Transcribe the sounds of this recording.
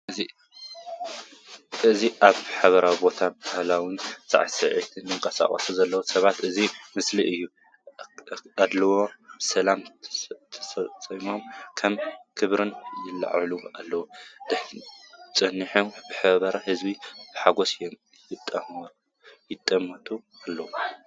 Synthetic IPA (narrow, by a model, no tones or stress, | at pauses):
ɨi | ɨziʔaβħaβɐɾawibo̞t̪ʰabahlawinsʼa̰ʕsɐʕḭt̪ʰɨnjɨŋkʼɐsa̰χʼɐ̰suzɐlːɐwusɐβat̪ɨzimɨsliʔɨjːu | ad̪lɐwo̞sɐlamt̪ʰɐsɐt͡sʼɐjmo̞mkʰɐmkʰɨβɾɨnjɪlːa̰ʕlualːɐwud̪̥ɨħt͡sʼɨnːiħomb̥ɨħɨβɐβɐɾɐhɨzbib̥ɨħaɡo̞sɨjom | jɪt̪ʼːɐ | jɪt̪ʼːɐmɐt̪ʰu | alːɐwu